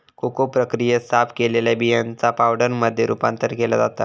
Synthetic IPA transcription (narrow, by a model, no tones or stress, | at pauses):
kokopɾəkɾijəsapkeleljabijənt͡sapawɽəɾməd̪ʱːjeɾṵpã̰nt̪əɾkelad͡zat̪a̰